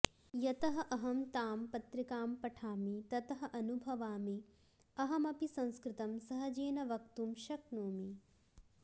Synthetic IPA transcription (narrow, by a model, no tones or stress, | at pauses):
jɐt̪ɐɦɐʔɐɦɐmt̪aːmpɐt̪ɾikaːmpɐʈʰaːmit̪ɐt̪ɐɦɐʔɐnubʱɐʋaːmi | ɐɦɐmɐpisɐ̃ñskɾɪt̪ɐmsɐɦɐd͡ʒeːnɐʋɐk̚t̪umʃɐknoːmi